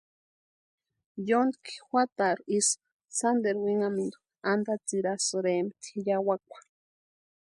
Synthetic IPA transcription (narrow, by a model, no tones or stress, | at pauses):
jond̪kʰi̥xʷat̪aɾis | sand̪eɾwiŋamind̪u | and̪at͡siɾasɨɾemt̪ʰijawakʷḁ